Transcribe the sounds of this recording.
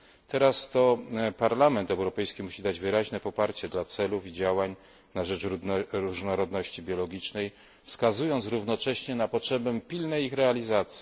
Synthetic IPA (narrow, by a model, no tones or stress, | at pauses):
t̪ɛɾast̪ɔpaɾlamɛnt̪ɛwɾɔpɛjskʲimuɕid̪ad͡ʑvɘɾaʑnɛpɔpaɾt͡ɕɛd̪lat̪sɛlufid͡ʑawaɲ | naʐɛt͡ʂɾuʐnɔɾɔd̪nɔɕt͡ɕibʲjɔlɔɡʲit͡ʂnɛj | fskazujɔnt̪sɾuvnɔt͡ʂɛɕɲɛnapɔtʂɛbɛpʲilnɛjixɾɛalʲizat̪sʲji